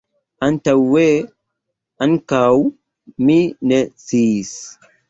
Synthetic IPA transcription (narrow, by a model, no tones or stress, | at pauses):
ʔantawwe | ankaw | minɛsiːs